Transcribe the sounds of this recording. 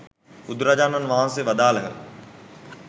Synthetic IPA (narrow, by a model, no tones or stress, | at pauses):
ud̪ɾad͡ʒaːnɐnʋaːɦãnseʋɐd̪aːləɦə̰